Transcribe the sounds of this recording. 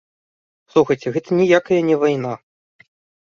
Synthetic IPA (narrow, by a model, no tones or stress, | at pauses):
slˠuxɐjt͡sʲɛɣɛt̪ʰɐnʲijakɐjɐnʲɛvajna